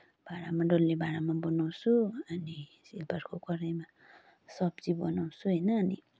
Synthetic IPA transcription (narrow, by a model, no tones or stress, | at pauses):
b̥ʱaɾamaɖolːebʱaɾamabʌnaw̃suʌni | silpʌɾkʰokʌɾajma | sʌbt͡sibʌnaw̃sʰuɦʌjnʌːnḭ